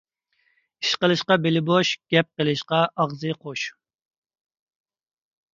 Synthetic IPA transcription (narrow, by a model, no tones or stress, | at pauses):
iʃqəlˠɨʃqɑbelɪboʃɡ̥ʲɛp̚qəlˠɨʃqɑʔɑʁzɨqʰoʃ